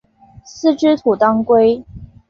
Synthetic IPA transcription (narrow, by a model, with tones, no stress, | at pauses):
s̩˥˨ʈ͡ʂɻ̩˥t̪ʰu˨˩t̪ɑ˥ŋkwe˥ɪ